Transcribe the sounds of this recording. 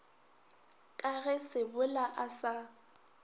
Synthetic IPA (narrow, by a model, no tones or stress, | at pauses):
kʼaɣɛsɪbʊlaʔasa